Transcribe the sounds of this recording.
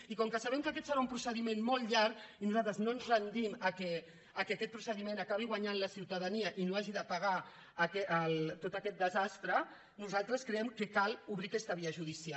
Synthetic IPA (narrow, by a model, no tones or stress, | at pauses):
ikɔŋkəsaβɛmkəkɛt̪səɾaumpɾusəðimenmolˠʎaɾkinuzalˠt̪ɾəznoənzrənd̪iməkɛː | kekɛt̪̚pɾusəðimẽnakaβiɣwaɲanləsiwt̪əðəniəʔinoaʒiðəpaɣaː | kɛəlˠt̪ot̪əkɛt̪̚d̪əzast̪ɾə | nuzalˠt̪ɾəskɾeɛmkəkaluβɾikɛst̪əβiəʒuðisia